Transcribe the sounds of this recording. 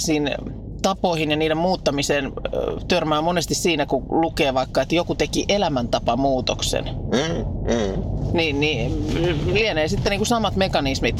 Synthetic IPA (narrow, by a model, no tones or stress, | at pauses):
siːn | t̪ɑpoihinjɑniːdemmuːt̪ːɑmiseːnt̪ørmæːmonest̪issiːnækulukeːʋɑikːɑet̪jokut̪ekiʔelæmænt̪ɑpɑmuːt̪o̰ksḛn | ninni | lieneːsit̪ːeniːŋkusɑmɑt̪mekɑnismit̪